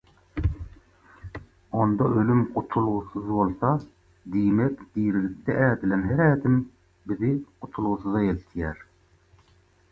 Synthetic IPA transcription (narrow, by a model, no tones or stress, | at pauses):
ond̪ɑʔølymqʰʊt̪ʰulˠʁʊsɨzbolˠsɑ | d̪ijmɛkʲd̪̥ijɾɪlɪp̚t̪ʰɛʔæːd̪ɪlɛmɦɛɾɛːd̪ɪm | bɪzɪqʰʊt̪ʰulˠʁʊsɨzɑelt̪ʰijɛɾ